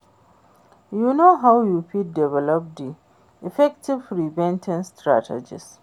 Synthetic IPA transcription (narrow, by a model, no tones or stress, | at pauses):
junoɦawjuɸit̚dɛvɛlɔp̚di | ifɛk̚tʰivɾibɛ̃ntʰɛ̃nstɹa̰tʰɛ̰d͡ʒḭs